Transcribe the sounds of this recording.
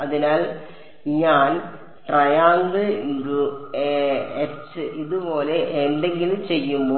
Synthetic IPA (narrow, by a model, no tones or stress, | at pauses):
ɐðinaːl | ɲaːn | ʈrɐjaːnɡɨinɾu | esɨiðupo̞ːle̞ʔenɖe̞ŋɡilumt͡ɕe̞jːumboː